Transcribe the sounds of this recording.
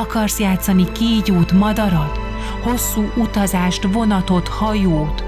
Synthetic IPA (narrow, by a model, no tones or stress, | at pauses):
ɒkɒrsjaːt̪sɒnikiːɟuːt̪mɒd̪ɒɾɒt̪ | ho̞sːuːʔut̪ɒzaːʃt̪vo̞nɒt̪o̞t̪hɒjoːt̪